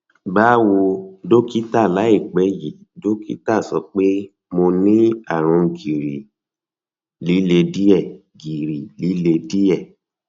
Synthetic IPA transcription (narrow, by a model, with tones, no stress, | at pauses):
ba˦wo˧do˦ki˦ta˦˨la˨˦i˦˨k͡pɛ˨˦ji˨ | do˦kḭ˦ta˦˨sɔ˧k͡pe˦ | mo˧nĩ˦a˦˨ɾ̃ɔ̃˧ɡi˨ɾi˨ | li˨˦le˧di˦ɛ˦˨ | ɡi˨ɾi˨li˨˦le˧di˦ɛ˦˨